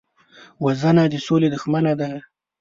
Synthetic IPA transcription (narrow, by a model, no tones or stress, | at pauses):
wazanad̪əsoled̪ʊxmanad̪a